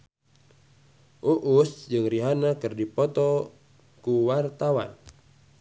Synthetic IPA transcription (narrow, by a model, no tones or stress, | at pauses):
ʔuʔusd͡ʒɨŋriɦanakərdipɔt̪ɔ | kuwart̪awa̰n